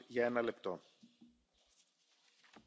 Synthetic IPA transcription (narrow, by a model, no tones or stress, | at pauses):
ʝɐe̞nɐle̞pt̪o̞